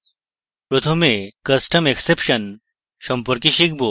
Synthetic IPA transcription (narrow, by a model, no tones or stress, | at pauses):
pɾot̪ʰomekɐsʈɐmeksepʃɐn | ʃɔmpɔɾkiʃik̚ʰbo